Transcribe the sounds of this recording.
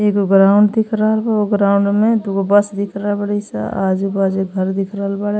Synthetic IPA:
eːkɡɾaʊɳɖd̪ɪkʰɾaːlbaoɡɾaːʊɳɖmẽd̪ukobɐsd̪ɪkʰɾabɐɽisa̰ad͡ʒebad͡ʒeɡʱəɾd̪ɪkʰɾaːlbaɽ

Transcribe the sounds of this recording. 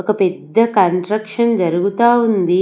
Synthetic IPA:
ɔkɐpɛd̪ːɐkɐɳʈɾɐkʂɐnd͡ʒɐɾuɡut̪aːund̪i

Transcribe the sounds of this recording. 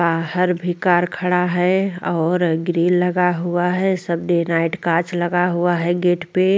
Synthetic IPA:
baːɦəɾbʱikaːɾkʰəɽaɦɛɔːɾɡɾiːlləɡaɦuaɦɛsəbd̪enaɪʈkat͡ʃləɡaɦuaɦɛɡeːʈpe

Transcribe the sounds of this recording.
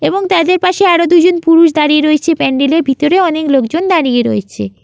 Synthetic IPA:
eboŋt̪ad̪eɾpaʃeaɽod̪ud͡ʑonpuɾuʃd̪aɾieɾoet͡ɕʰepɛɳɖileɾbʱit̪oɾeɔneklokd͡ʑond̪aɽijeɾo̰et͡ɕʰḛ

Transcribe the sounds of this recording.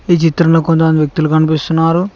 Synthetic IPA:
iːt͡ʃit̪ɾɐnloːkont̪ɐmɐnd̪iʋjek̚t̪ulukɐnipist̪unːaːɾu

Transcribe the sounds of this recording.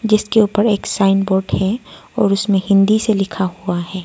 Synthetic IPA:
d͡ʒɪskeuːpəɾeːksaːɪnboːɾɖhɛɔːɾʊsmẽɦɪ̃nd̪iselɪkʰahuaɦɛː

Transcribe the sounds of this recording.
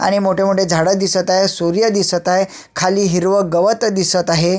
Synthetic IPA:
a̰ɽ̃imoʈʰemuɽed͡zʱaɽəd̪isət̪aɦesuɾjəd̪isət̪ae | kʰaliːɦiɾʋəɡəʋət̪d̪isət̪aɦe

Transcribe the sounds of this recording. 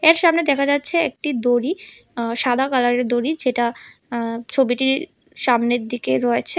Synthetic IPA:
eɾʃamned̪ɛkʰad͡ʑatːɕʰeek̚ʈid̪oɾi | ʃad̪ʱakalaɾeɾd̪oɾid͡ʑeʈa | t͡ɕʰobiʈi | ʃamneɾd̪ikeɾɔet͡ɕʰe

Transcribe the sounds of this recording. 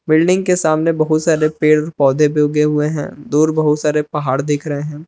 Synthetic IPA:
bɪlɖɪ̃ŋɡkesaːmnebɐɦʊt̪saːɾepeːɽɔːɾpɔːd̪ʱebjoːɡeɦʊeɦɛ̰̃ːd̪uːɾbɐɦʊt̪saːɾepɐɦaːɽd̪ɪkʰɾɐɦeɦɛ̃ː

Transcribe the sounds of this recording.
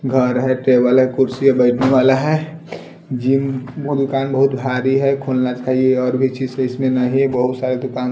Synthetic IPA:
ɡʱəɾɦɛʈebəlɦɛkʊɾsiabəɪʈʰneʋaːlaɦɛ | d͡ʒinbod̪ʊkaːnbəɦʊt̪bʱaɾiɦɛkʰolnat͡ʃaːɦieɔːɾbʱit͡ʃid͡ʒeɪsmẽnəɦiɦɛbəɦʊt̪saɾed̪ʊkaːn

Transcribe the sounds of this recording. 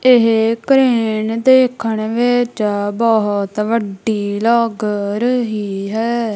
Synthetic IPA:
ɪɦekɾeːnd̪eːkʰːəɳʋeːt͡ʃaːbɔɦt̪ʋəɖiːlɔːɡəɾɦiːɦɛː

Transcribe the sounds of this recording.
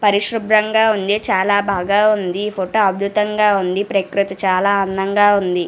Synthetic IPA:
pɐɾiʃɾubɾɐŋɡaːund̪it͡ʃaːlaːbʱaːɡaːund̪ipʰoʈoːɐb̚d̪ut̪ɐŋɡaːund̪ipɾɐkɾut̪it͡ʃaːlaːɐnːɐŋɡaːund̪i

